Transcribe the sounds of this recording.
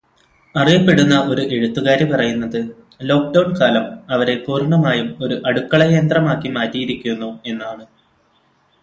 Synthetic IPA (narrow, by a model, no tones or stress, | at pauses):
ɐrijɐpːe̞ɽunːɐʔo̞ɾuʔe̞ɻut̪ːuɣaːɾipɐrɐjunːɐðɨ | lo̞ːk̚ɖɐwɳkaːlɐmɐʋɐɾe̞puːrɳːɐmaːjumo̞ɾuʔɐɽukːɐɭɐjend̪rɐmaːkːimaːtːijiɾikʲːunːue̞nːaːɳɨ